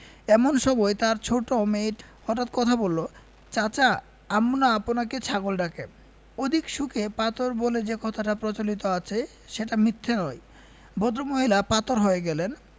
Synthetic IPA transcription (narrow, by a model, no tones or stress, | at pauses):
ɛmonʃɔbɔjt̪aɾt͡ɕʰoʈomeʈhɔʈat̪̚kɔt̪ʰabolːo | t͡ɕat͡ɕa | amnaaponaket͡ɕʰaɡolɖake | od̪ʱikʃukʰepat̪oɾboled͡ʑekɔt̪ʰaʈapɾot͡ɕolit̪oat͡ɕʰe | ʃeʈamit̪ʰːenɔe | bod̪ɾomoɦilapat̪oɾɦoeɡɛlen